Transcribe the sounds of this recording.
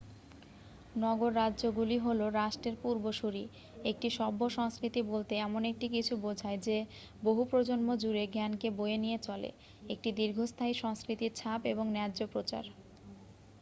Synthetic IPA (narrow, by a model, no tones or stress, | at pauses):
nɔɡoɾːadːʑoɡuliɦoloɾaʃʈeɾpuɾboʃuɾi | ek̚ʈiʃɔbːoʃɔŋskɾit̪ibolt̪eɛmonek̚ʈikit͡ɕʰubod͡ʑʱaed͡ʑe | boɦupɾod͡ʑonmod͡ʑuɾeɡɛnkebojenijet͡ɕɔlḛ | ek̚ʈid̪iɾɡʱost̪ʰaiʃɔŋskɾit̪iɾt͡ɕʰapeboŋnɛd͡ʑopɾot͡ɕa̰ɾ